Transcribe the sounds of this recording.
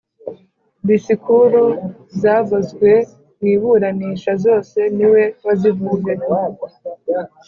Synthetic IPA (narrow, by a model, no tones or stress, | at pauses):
βisikuɾu | zaːvozɡwe̞ | niːβuɾaniːʃazo̞ːse̞niwe̞wazivuːɡe